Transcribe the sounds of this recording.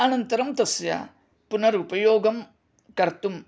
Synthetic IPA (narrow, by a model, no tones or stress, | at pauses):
ɐnɐnt̪ɐɾɐmt̪ɐsjɐ̰ | punɐɾuːpɐjoːɡɐm | kɐɾt̪um